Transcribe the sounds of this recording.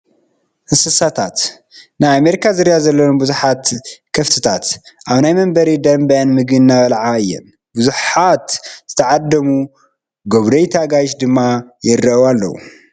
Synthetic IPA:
ʔɨsɨsat̪ʰat̪ | najameɾikʰazɨɾijazɐlːɐwunbuzuħat̪kʰɐft̪ʰɨt̪ʰat̪ʔaβnajmɐmbɐɾid̪ɐmbɐʔɨnmɨɡɨnːaβɐlʕaɨjːɛ̰n | buzuħat̪z̥ɨt̪ʰɐʕad̪ːɐmu | ɡoβd̪ɐjt̪ʰaɡajʃd̪ɨmːajɪrɐʔwalːɐ̰wṵ

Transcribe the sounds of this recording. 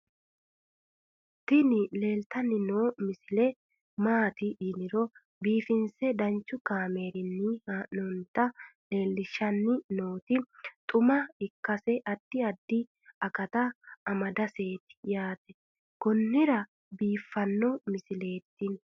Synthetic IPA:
t̪ːɪnɪle̞ːlt̪ɐnːɪnoːmɪsɪlɛ | maːt̪ɪʔɪnɪɾɔ | biːfɪnsɛd̪ɐnt͡ʃːʊkaːme̞ːɾɪnːɪanɔnt̪ːɐle̞ːlːɪʃːɐnːɪnoːt̪ɪt̪ʼʊmɐɪkːɐsɛʔɐd̪ːɪɐd̪ːɪ | ɐkɐt̪ɐːmɐd̪ɐse̞ːt̪ɪ̥jaːt̪ɛ̥ | kɔnːɪɾɐ | biːfːɐnːɔmɪsɪle̞ːt̪ːɪn

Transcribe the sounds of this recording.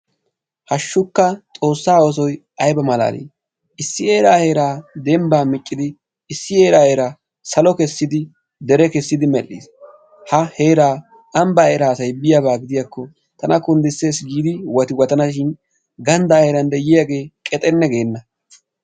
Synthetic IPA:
hɐʃːʊkːɐt͡sʼo̞ːsːaːos̬ɔj | ɐjbɐmɐla̰ːlḭː | ɪsːɪe̞ːɾaːhe̞ːɾaːd̪ɛmbaːmɪt͡ʃʼːɪd̪ɪː | sːɪe̞ːɾaːheːɾaː | sɐlɔkɛsːɪd̪ɪ | d̪ɛɾɛkɛsːɪd̪ɪmɛlːis | hɐhe̞ːɾaː | ʔɐmbɐeːɾaːsɐjbɪjabaːɡɪd̪ɪjakːɔ | t̪ɐnɐkʊnd̪ɪse̞ːsɡiːd̪ɪwɐt̪ɪwɔt̪ɐnaʃ̬ɪn | ɡɐnd̪aːhe̞ːɾɐnd̪ɛjɪjaɡe̞ːkʼɛt̪ʼɛnːɛɡe̞ːnːɐ

